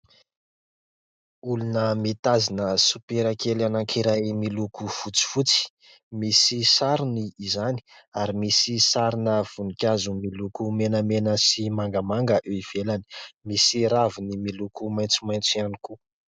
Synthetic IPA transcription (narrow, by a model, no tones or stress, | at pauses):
ulunəmit̪azinəsupeɾakelanaŋkʰiɾajmilukuv̥ut͡si̥fut͡si̥ | misisaɾuniːzani̥aɾimisisaɾinəv̥unikʲazumilukumenəmenəsimaŋɡəmaŋɡəʔeiv̥elani̥misiɾavinimilukumajnt͡sumajnt͡sianiku